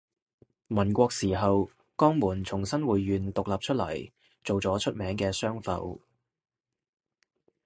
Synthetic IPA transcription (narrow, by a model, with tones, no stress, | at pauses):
mɐ˨˩nkʷɔː˧k̚siː˨˩ɦɐ˨w | kɔː˥ŋmuː˨˩nt͡sʰʊ˨˩ŋsɐ˥nwuː˨jːyː˨nt̪ʊ˨k̚laː˨p̚t͡ʃʰɵ˥t̚lɐ̰˨˩j | t͡so˨wt͡sɔː˨˥t͡ʃʰɵ˥t̚mɛː˨˥ŋkɛː˧sœː˥ŋfɐ̰˧w